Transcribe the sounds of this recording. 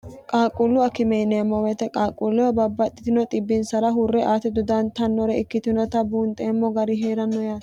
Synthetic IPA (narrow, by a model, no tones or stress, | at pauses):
kʼaːkʼʊlːʊɐkɪmɛjnɛɐmːɔwɛt̪ɛkʼaːkʼːʊlːʊɐbɐbːɐt̪ʼːɪt̪ɪnɔt̪ʼɪbːɪnsɐɾɐɦʊrːɛʔaːt̪ɛd̪ʊd̪ɐnt̪ɐnːɔɾɛɪkːɪt̪ɪnɔt̪ɐbuːnt̪ʼɛmːɔɡɐɾɪɦeːɾɐnːɔjaːt̪